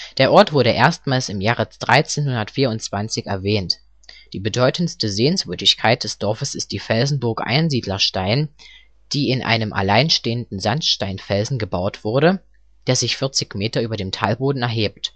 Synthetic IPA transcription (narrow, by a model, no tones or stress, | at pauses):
d̥eːɐʔɔɐtv̥ʊɐɾəʔeːɐstmaːlsɪmjaːʁəd̥ʁaɪt͡seːnhʊndɐtfiːɐʊnt͡sv̥ant͡sɪçɛ̰ɐvɛːnt | d̥iːbədɔʏtən̩stəzeːənsv̥ʏɐdɪçkʰaɪt̚d̥ɛsd̥ɔɐfəsɪst̚d̥iːfɛlzn̩bʊɐkʔa̰ɪnziːdlɐʃtaɪn | d̥iːɪnʔa̰ɪnəmʔa̰laɪnʃteːəndn̩zantʃtaɪnfɛlzn̩ɡəbaʊtv̥ʊɐɾə | d̥eːɐzɪçfɪɐt͡sɪçmeːtɐʔyːbɐdeːmtʰalboːdn̩ɛɐɦeːp̚t